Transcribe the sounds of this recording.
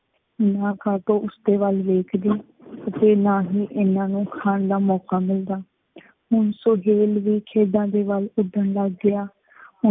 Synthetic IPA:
naːkʰaːʈ̪oːʊsd̪eːʋalʋeːkʰd̪iː | ət̪eːnaːɦiːʔɪnãːnũːkʰaːnd̪aːmɔːkaːmɪld̪aː | ɦʊɳsoɦeːlʋiːkʰeːd̪ãːd̪eːʋalʊɖ̪əɳləɡːɪjaː | hʊ

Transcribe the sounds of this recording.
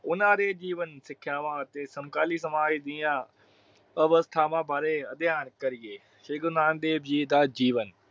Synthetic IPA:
ʊnãːɾeːd͡ʒiːʋənsɪkʰɪjãːʋãːt̪eːsɐmkaːliːs̬ɐmaːd͡ʒd̪ijãː | əʋəst̪ʰaːmãːbʱaːɾeɐd̪ɪjaːnkɐɾijeː | ʃeːɡʊnãːnd̪eːbd͡ʒiːd̪aːd͡ʒiːʋən

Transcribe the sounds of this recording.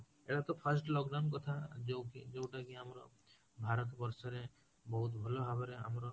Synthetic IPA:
eɽat̪ɔpʰəsʈlɔkɖawnk̬ɔt̪ʰad͡ʒkid͡ʒewʈakiamɾɔ̰ | bʱaɾɔt̪bɔɾsɔɾe | bɔɦut̪bʱɔlɔɦabɔɾea̰mɾɔ

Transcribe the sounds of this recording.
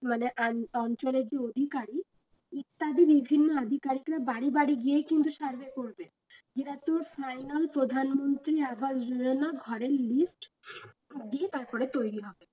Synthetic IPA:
maneʔaɔnt͡ɕoled͡ʑeod̪ʱikaɾi | it̪ːad̪ibibʱinːoad̪ʱikaɾikɾabaɽibaɽiɡijekint̪uʃaɾbekoɾbe | d͡ʑeʈat̪uɾfajnalpɾod̪ʱanmont̪ɾiabasɾuonaɡʱɔɾelisʈ | d̪iet̪aɾpɔɾet̪ojɾiɦɔbe

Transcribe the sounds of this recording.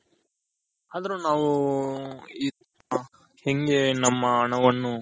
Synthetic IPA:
aːd̪ɐɾunaːʋu | iː | heŋɡe̞nɐmːɐːɳɐʋɐnːu

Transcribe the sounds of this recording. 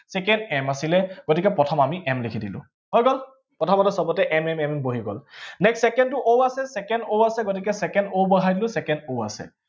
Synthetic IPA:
sɛkɛndɛmasilɛɡ̥otikɛpɹɔtʰɔmamiʔɛmlekʰidilʊ̰̃ | hɔjɡɔl | pɹɔtʰɔmatɔsɔbɔtɛʔɛmɛmɛmɛboɦiɡɔ̰lnɛksːɛkɛndtuʔowasɛsɛkɛndowasɛɡotikɛsɛkɛndowbɔɦajdilʊ̃sɛkɛndowa̰sɛ̰

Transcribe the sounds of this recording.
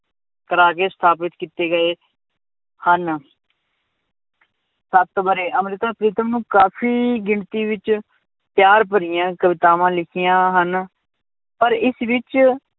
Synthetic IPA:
kəɾaːkeːst̪ʰaːpɪt̪kiːt̪eːɡəeː | hən | sət̪bəɾeːʔəmɾɪt̪aːpɾiːt̪əmnũːkaːpʰiːɡɪɳt̪iːʋɪt͡ʃ | pjaːɾp̬əɾɪjãːkəʋɪt̪aːʋãːlɪkʰɪjãːɦən | pəɾɪsʋɪt͡ʃ

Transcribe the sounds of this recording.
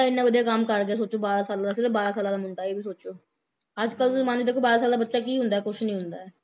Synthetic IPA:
aɪnːãːʋəd̪ijaːkəmkəɾɡ̪ɪaːs̬oːt͡ʃoːbaːɾaːsaːlad̪aːsɪɾəfbaːɾaːsaːlaːd̪aːmʊɳʈaːibiːsoːt͡ʃoː | əd͡ʒkəlmaːnd̪id̪ɪkʰːoːbaːɾaːsaːld̪aːbətːʃaːkiːɦʊ̃nd̪aːɛːkʊʃnĩɦʊnd̪aːɛː

